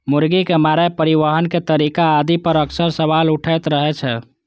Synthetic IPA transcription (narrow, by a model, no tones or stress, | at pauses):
muɾɡikemaɾapəɾiʋəɦənket̪əɾikaːd̪ipəɾəksəɾsəʋaluʈʰəjt̪ɾəɦɛt͡ʃʰɛ